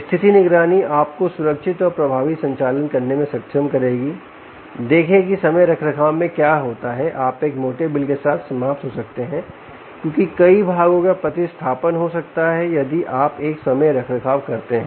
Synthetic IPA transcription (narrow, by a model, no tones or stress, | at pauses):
st̪ʰɪt̪inɪɡɾaːniaːp̚kosʊɾəkʃɪt̪ɔːɾpɾɐbʱaːʋisɐ̃ɲt͡ʃaːlənkɐɾnemẽsɐkʃʰəmkɐɾeːɡiː | d̪eːkʰẽkisɐməjɾɐkʰɾəkʰaːʋmẽkjaːɦoːt̪aɦɛʔaːpeːkmoːʈebɪlkesaːt̪ʰsɐmaːft̪ɦosɐk̚t̪eɦɛ̃ː | kjõːkikɐibʱaːɡõkapɾɐt̪ist̪ʰaːpənɦosɐk̚t̪aɦɛjɐd̪iʔaːpeːksɐməjɾɐkʰɾəkʰaːʋkɐɾt̪eɦɛ̃ː